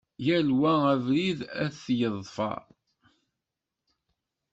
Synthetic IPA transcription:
jælwæævliðæθθːjəðˤfɑ̰

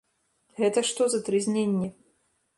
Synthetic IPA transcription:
ɣɛt̪ɐʂt̪ɔzɐt̪ɾɨzʲnʲenʲːɛ

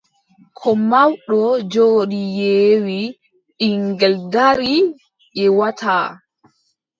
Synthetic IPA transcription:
kʰɔmawɗɔd͡ʒoːɗijeːwi | ʔiŋɡɛldaɾi | ʔɛwatʰaː

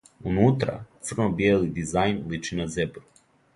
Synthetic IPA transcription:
unut̪ɾa̰t̪sr̩nobijelid̪izajnlit͡ʃinazebɾu

